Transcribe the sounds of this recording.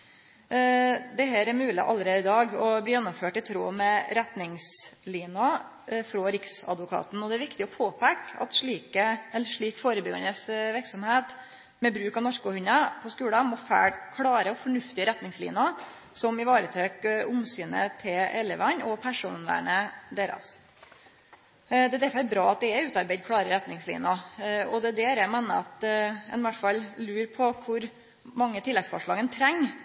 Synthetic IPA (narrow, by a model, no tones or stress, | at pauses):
d̪ɛɦæːɾæmʉːlɪ̰ʔɑ̰lːəɾeːd̪ɪd̪ɑːɡɔbliːjɛnːʊmføːʈɪt̪ʰɾṵːmɛɾɛt̪nɪŋsliːnɑ | fɾɔɾɪksɑ̰d̪ʋʊkʰɑ̰ːt̪n̩ɔd̪ɛæɾʋɪkt̪ɪɔpʰoːpækɑ̰t̪ʂɭiːkəɛlːəɾʂɭiːkfoːɾəbʏɡɑ̰nəsʋɪɾksɔmheːt̪ | mɛbɾʉːkɑnɔɾkʊhʉnɑpʰɔskʉːləmɔfæ̰kʰɽɑːɾəɔfɔɳʉft̪ɪəɾɛt̪nɪŋslḭːnɑ | sɔmɪʋɑːɾət̪ʰøːkʊmsyːnə̰t̪ʰɪʔɛlːəʋɑɲɔpʰæʂuːnlæ̰ɳəd̪eːɾɑ̰s | d̪ɛd̪æɾfɔɛbɾɑːɑt̪̚d̪ɛɛʉːt̪ɑɾbeɪd̪̚kʰɽɑːɾəɾɛt̪nɪŋslḭːnʊɔd̪ɛd̪eːɾɛmeːnəɑt̪ɛ̰nʋæʈfɑlːlʉːɾpʰɔkʰʊɾ | mɑŋːət̪ʰɪlːɛɡsfɔ̰ʂɭɑːɡənt̪ʰɾɛŋː